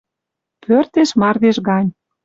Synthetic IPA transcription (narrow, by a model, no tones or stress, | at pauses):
pʰørt̪eʃmɑrd̪eʃɣɑnʲ